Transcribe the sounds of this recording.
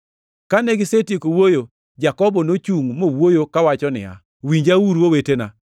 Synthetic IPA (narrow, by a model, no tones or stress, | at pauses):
kaneɡɪsetjekowojo | d͡ʒakɔbɔnot͡ʃuŋmowojokawat͡ʃɔnɪ̰a̰ | wiɲd͡ʒawuɾwowetena